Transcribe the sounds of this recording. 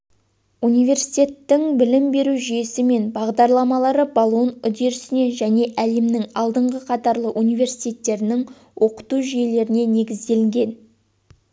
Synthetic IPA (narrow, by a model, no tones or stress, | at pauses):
unijve̞ɾsijt̪ʲe̞t̪ːɪŋbɪlɪmbe̞ɾuʒije̞sɪme̞nbɑʁd̪ɑɾlˠɑmɑlˠɑɾəbolˠuənʏd̪e̞ɾɪsɪne̞ʒæne̞ʔæle̞mnɪŋɑlˠd̪əɴʁəqʰɑt̪ɑɾlˠəʔunijve̞ɾsi̥jt̪ʲe̞t̪ːe̞ɾɪnɪŋ | wʔo̞qə̥t̪uʒije̞le̞ɾɪne̞ne̞ɡʲɪzd̪e̞lɪŋɡʲe̞n